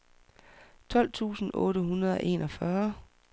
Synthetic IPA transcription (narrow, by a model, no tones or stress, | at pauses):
t͡sʰɒ̽l̰t͡sʰṵːsn̩ɔ̰̽ːɾəɦunɐð̞ˠɒ̽ʔe̝̰ːnʔɒ̽fɶɐ